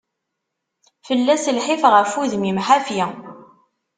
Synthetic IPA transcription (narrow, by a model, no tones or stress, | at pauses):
fəlːæsəlħifʁəfuðmimħafjæ